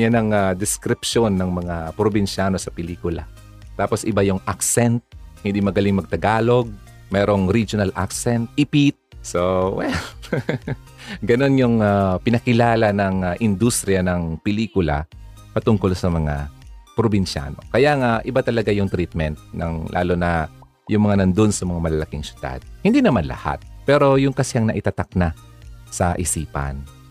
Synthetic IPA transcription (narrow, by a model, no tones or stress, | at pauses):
janɐŋad̪ɪskɾɪpʃonːɐŋmɐŋapɾobɪnʃaːno̞sɐpɛliːkʊla̰ | t̪aːposʔɪbajʊŋʔaksɛnt̪̚hɪ̃nd̪imɐɡɐliŋmɐɡ̚t̪ɐɡaːlo̞ɡ̚ | mɛːɾo̞ŋɾid͡ʒonɐlʔa̰ksɛnt̪̚ʔɪpit̪̚sowɛl | ɡɐno̞njʊŋapɪnɐkɪlaːlɐnɐŋaʔɪnd̪ust̪ɾɪjanɐŋpɛliːkʊla̰ | pɐt̪ʊŋko̞lsɐmɐŋa̰pɾobinʃa̰no̰kɐjaŋaʔɪbat̪ɐlɐɡajʊŋt̪ɾit̪̚mɛnt̪̚nɐ̰ŋlʔa̰ːlonɐ | jʊŋmɐŋanɐnd̪onsɐmɐŋamɐlɐlɐkiŋsʊ̥d̪a̰d̪̚hɪ̃nd̪inɐmanlɐ̰ha̰t̪̚pɛɾo̞jʊŋkɐsɪɐŋnɐʔɪt̪at̪ak̚na | sɐʔɪsiːpɐ̰n